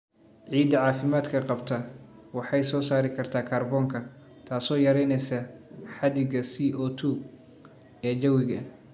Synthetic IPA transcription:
ʕiːd̪ɐʕɑːfɪmaːd̪kʰɐqɑbt̪ʰɐwɑħɑjsɔːsaːɾɪkʰɐrt̪ʰaːkʰaːrbɔːŋkʰɐ | t̪ʰaːsɔːjɐɾɛjnɛjsɐħɑd̪ɪɣɐsiːʔɔːt̪ʰuː | ɛːd͡ʒɐwɪɣɐ

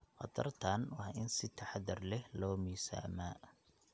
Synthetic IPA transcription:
qɑ̰d̪ɐrt̪ʰɐnwɑhɪnsɪt̪ʰɐħðɐrlɛhlɔːmiːsa̰ːmaː

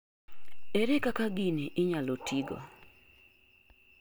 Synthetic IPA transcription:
eɾekakaɡiniʔɪɲalotʰiɡɔ̰

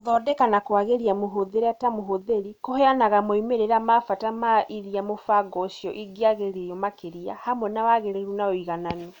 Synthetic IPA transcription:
ðɔdɛkanakwaɣeɾiamoɦoðeɾatamoɦoðeɾikoheanaɣamoimeɾeɾamafatamaʔiɾiamofaɡɔʃjɔʔiɡiaɣeɾejɔmakeɾia̰hamwɛnawaɣeɾeɾunaoiɣananɔ

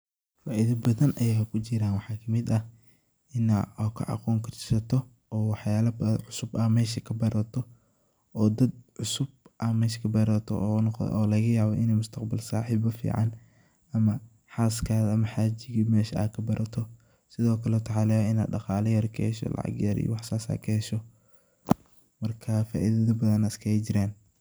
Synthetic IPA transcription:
faːʔɪðɐbɐðɐnʔɐjaːkʰʊt͡ʃɪɾaːnwɑħɑːkʰɐmɪd̪ɐ | ɪnaɔkʰɐ̰ʕɑ̰quːŋkʰɐt͡ʃɪ̥sɐt̪ʰɔ | ʔɔːwɑħjaːlɐbɐʕʊsʊbɐmɛːʃɐkʰɐbɐɾʔɐt̪ʰɔ | ɔːd̪ɐd̪̚ʕʊsʊbʔɐmɛːʃkʰɐbɐɾɐt̪ʰɔ̰ʔːnɔqʔɔːlɐɣɐjaːβɔʔɪnɛːjmʊst̪ʰɐqbɐlsa̰ːħiːbɐfḭːʕɑn | ɐmɐ | ħaːskʰaːðɐɐmɐħaːt͡ʃɪɣimɛːʃɐa̰ːkʰɐbɐɾʔɐt̪ʰɔ | sɪðɔːkʰɐlɛʊt̪ʰɑɑlɛːɪna̰ːdɑqɑːlɐjɐɾkʰɛhʃɔ̰lɑ̰ʕɑ̰ɡjɐɾḭj̰wɑħsaːsa̰ːkʰɐhɛʃɔ | mɐrkʰɐfa̰ːʔiðɐðɐbɐðɐnɪskʰɐɛt͡ʃɪɾaːn

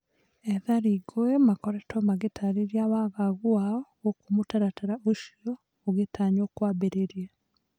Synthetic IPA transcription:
ɛðaɾiɡoɛmakɔɾɛtamaɣetʰaɾiɾiawaɣaɣuaɔ | okomotaɾataɾaʔoʃiɔ | oɣetaɲokwaːbeɾeɾjɛ

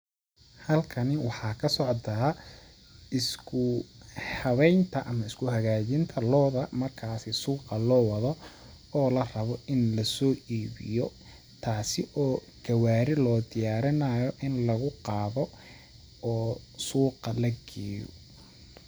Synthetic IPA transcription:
hɐlkʰɐnɪwɑħɑːkʰɐsɔʕt̪aː | ɪskʰʊhɐβɛjnt̪ʰɐʔɐmɐɪskʰʊɦɐɣaːt͡ʃɪnt̪ʰɐlɔːðɐmɐrkʰaːsɪsuːqɑlɔːwɑðɔ | ɔːlɐrɐβɔɪnlɐsɔːʔiːβɪ̰jɔ | t̪ʰaːsɪʔɔː | ɡ̥ɐwaːɾɪlɔːd̪ɪjaːɾɐnaːjɔʔɪnlɐɣʊqɑːβɔ | ɔːsuːqɑlɐɡɛːjɔ̰

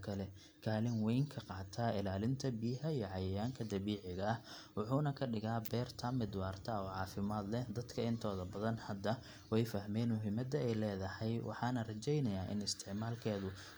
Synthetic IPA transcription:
kʰɐlɛ | kʰaːlɪŋwɛjŋkʰɐqɑːt̪ʰɐɪlaːlɪnt̪ʰɐbiːɦɐiːɔʕɑjɐjaːŋkʰɐd̪ɐβiːʕɪɣɐːh | wʊħuːnɐkʰɐɖɪɣaːbɛːrt̪ʰɐmɪd̪wɑːrt̪ʰɐɔːʕɑːfɪmaːd̪lɛhd̪ɐd̪kʰɐɪnt̪ʰɔːðɐbɐðɐnhɐd̪ːɐ | wɛjfɐɦmɛːnmʊɦɪmɐd̪ɐɛjlɛːðɐhɛjwʔɑ̰ħɑːnɐrɐt͡ʃɛjnɐjaːʔɪ̰nɪst̪ʰɪʕmaːlkʰɛːðʊ

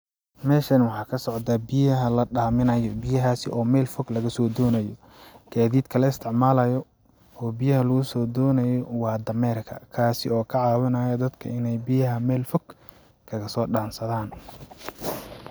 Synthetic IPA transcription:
mɛːʃɐnwɑħɑːkʰɐsɔʕd̪aːbɪjɐɦɐlɐɖaːmɪnɐjɔbɪjɐɦaːsɪ̰ʔɔːmɛlfɔɡlɐɣɐsɔːd̪ɔːnɐjɔ | ɡ̥aːðiːd̪kʰɐlɐɪst̪ʰɪʕmaːlɐjɔ | ɔːbijɐɦɐlɐɣʊsɔːd̪ɔːnɐjɔwɑːd̪ɐmɛːrkʰɐ̰kʰaːsɪɔːkʰɐʕɑːwɐnaːjɐd̪ɐd̪kʰɐɪnɛjbɪjɐɦɐmɛːlfɔɡ̥ | kʰɐɣɐsɔːɖaːnsɐðaːn

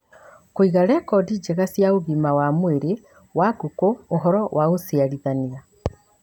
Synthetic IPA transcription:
koiɣaɾɛkɔdid͡ʒeɣasjaoɣimawamoeɾe | waɡokoːɦɔɾɔwʔaosiaɾiðania

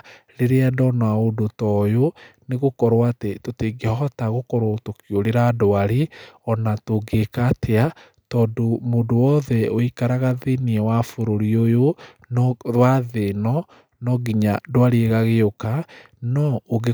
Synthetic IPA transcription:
ɾeɾeadɔnaodotɔjoneɣokɔɾwatetoteɡehɔɔtaɣokɔɾwootokioɾeɾadoaɾiɔnatoɡekaːtea | tɔdomodowɔðɛoikaɾaɣaðeniɛwafoɾoɾiojo | nɔɾwaðenɔ | nɔɡiɲadoaɾieɣaɣeoka | nɔoɣe

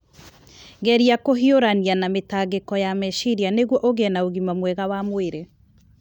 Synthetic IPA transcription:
ɡɛɾiakoɦioɾanianametaɣekɔjamɛʃiɾianeɣwɔʔoɣenaoɣimamwɛɣawamoeɾe

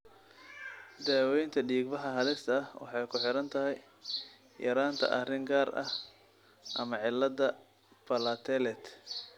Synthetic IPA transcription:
d̪aːwɛjnt̪ʰɐɖiːɡ̚bɑħɑɦɐlɪst̪ʰɐwɑ̰ħɑjkʰʊħɪɾɐnt̪ʰɐɦɛj | jɐɾaːnt̪ʰɐ̰ʔɐrɪŋɡaːɾʔɐ̰h | ʔɐmɐʕɪlːɐd̪ɐ | bɐlɐt̪ʰɛlɛt̪

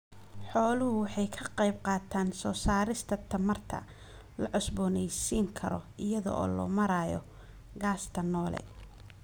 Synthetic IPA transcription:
ħɔːlʊɦʊwɑħɑjkʰɐqɑjbqɑːt̪ʰaːnsɔːsaːɾɪst̪ʰɐt̪ʰɐmɐrt̪ʰɐ̰ | lɐʕɔsbɔːnɛjsiːŋkʰɐɾɔɪjɐðɔ̰ʔɔ̰ːlɔ̰ːmɐɾaːjɔ̰ | ɡaːst̪ʰɐnɔːlɛ̰

